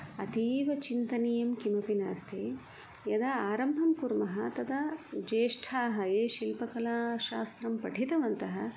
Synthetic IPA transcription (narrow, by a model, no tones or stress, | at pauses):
ɐt̪iːʋɐt͡ʃint̪ɐnijɐmkimɐpinaːst̪ʰe | jɐd̪ɐaːɾɐmbʱɐmkuɾmɐɦɐt̪ɐd̪ɐd͡ʒeːʂʈʰaːɦɐeːʃilpɐkɐlaːʃaːst̪ɾɐmpɐʈʰit̪ɐʋɐnt̪ɐɦɐ